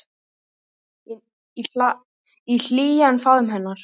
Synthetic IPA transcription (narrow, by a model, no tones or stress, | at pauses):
ia | il̥iːjanfaðʏmɦɛnːaɾ̥